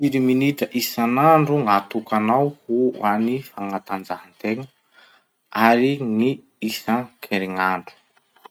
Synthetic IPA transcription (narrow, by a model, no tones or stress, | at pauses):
iɾiminiʈ͡ʂəʔisanaɳɖ͡ʐuŋat̪ukanawhuanifaŋat̪and͡zaɦant̪eŋə | aɾiŋi | isakʰeɾiŋaɳɖ͡ʐu̥